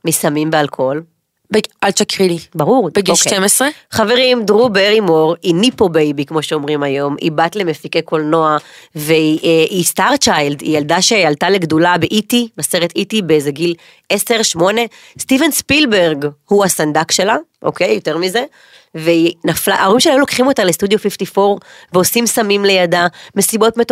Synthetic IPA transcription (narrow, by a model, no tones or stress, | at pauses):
misamimbealkʰo̞l | bealt͡ʃakʁilibaʁuʁdbeɡioʃtemesʁeχave̞ʁimdʁubeʁimoʁinipo̞bejbikmo̞ʃeo̞mʁimajo̞mḭbatle̞me̞fikeko̞lno̞aveiʔistaʁt͡ʃajldḭjaldaʃealtaleɡdulabeʔitimaseʁet̪itibezeɡil | ese̞ʁʃmo̞ne | stivenspilbe̞ʁɡhuasand̪akʃe̞laʔo̞̰kejjoteʁmize̞ | veinaflaʔaoʁimʃelajulo̞kχimo̞talest̪ud̪jofiftifo̞ʁveosimsamimle̞jadame̞sibo̞tmet